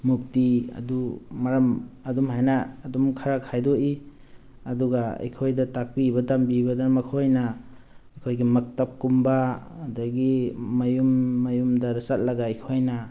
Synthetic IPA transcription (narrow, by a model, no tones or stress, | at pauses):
muk̚tiɐ̰duːaɾɐmɐdumɦajnaːdumkʰaɾakʰajdoi | ɐduɡaa̰jkʰojdatak̚pibɐdambibadamakʰojnaɐjkʰojɡimɐk̚tap̚kumbadaɡimɐjumːɐjumdaɾisat̚lɐɡajkʰojna